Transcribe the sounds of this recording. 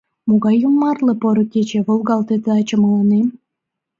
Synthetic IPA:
moɣɑjumːɑrlĕpoɾŏket͡ɕeβolˠɣɑlt̪et̪eɑt͡ɕəmələnem

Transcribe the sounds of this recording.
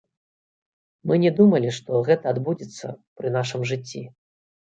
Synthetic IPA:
mɨnʲɛd̪umɐlʲiʂt̪ɔɣɛt̪ɐːd̪bud͡zʲit̪sːɐ̰pɾɨnaʂɨmʐɨt͡sʲːi

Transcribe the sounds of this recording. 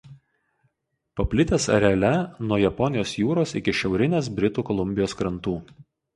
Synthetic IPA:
pɐpʲlʲɪt̪ʲeːsɐ̰ɾʲɛɐlʲɛnuɔjɛpɔnʲɪjoːsjuːɾoːsɪ̰kʲɪʃʲɛʊɾʲɪnʲeːsbʲɾʲɪt̪uːkɔlˠʊmʲbʲɪjoːskɾɐnt̪uː

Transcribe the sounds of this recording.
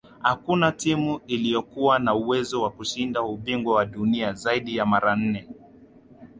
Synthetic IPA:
hakunatimuilijɔkuwanauwɛzɔwakuʃindauɓiŋɡwawaɗuniazaiɗijamaɾan̩nɛ

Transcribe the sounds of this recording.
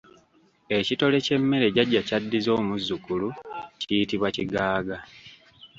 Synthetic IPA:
e̞cito̞le̞ce̞mːe̞ɾe̞ɟaɟːacadːizo̞ːmuzːukulucijitiβwaciɡaːɡa

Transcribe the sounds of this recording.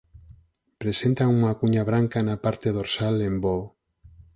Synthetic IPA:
pɾesent̪auŋakuɲaβɾaŋkanapaɾt̪eðoɾsalembo

